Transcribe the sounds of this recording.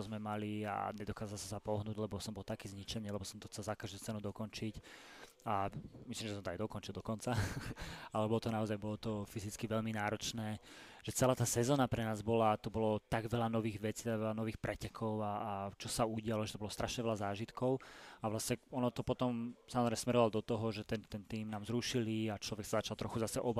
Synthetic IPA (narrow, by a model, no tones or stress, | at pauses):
ɔzmɛmalia̰ɲɛd̪ɔkaːzalsasapɔɦnuːɟlɛbɔsɔmbɔlt̪akɛːzɲit͡ʃɛɲɪɛlɛbɔsɔmt̪ɔxt͡sɛlzakaʒd̪uːt͡sɛnud̪ɔkɔnt͡ʃic | amislimʒɛs̬ɔmt̪ɔajd̪ɔkɔnt͡ʃilˠd̪ɔkɔnt͡sa | alɛbɔlɔt̪ɔnaɔzajbɔlɔt̪ɔfizit͡skiʋɛʎminaːɾɔt͡ʃnɛːʒ̥ɛt͡sɛlaːt̪aːsɛzɔːnapɾɛnaːzbɔlat̪ɔbɔlɔt̪aɡʋɛlanɔʋiːɣʋɛt͡siːt̪aɡʋɛlanɔʋiːxpɾʔɛcɛkʰɔʊaːt͡ʃɔsauɟɪalɔʒɛt̪ɔbɔlɔst̪ɾʔaʃɲɛʋɛlazaːʒit̪kɔʊaʋlasɲɛɔnɔt̪ɔpɔt̪ɔmsamɔzɾɛmɛsmɛɾɔʋalɔd̪ɔt̪ɔɦɔʒɛt̪ɛnt̪ɛnt̪iːmnaːmzɾuʃiliat͡ʃlɔʋɛksazat͡ʃalˠt̪ɾɔxuzasɛʔɔb